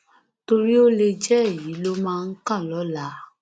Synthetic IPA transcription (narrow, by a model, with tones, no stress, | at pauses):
to˧ɾi˦o˦le˧d͡ʒɛ˦ɛ˦˨ji˨˦lo˦mãː˦˧n̩˦kã˦˨lɔ˨˦la˨˦